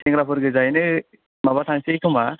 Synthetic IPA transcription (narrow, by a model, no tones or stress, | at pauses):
tɛŋɾapʰɯɾɡɯzajnɯ | mabatʰaŋsejkʰɯma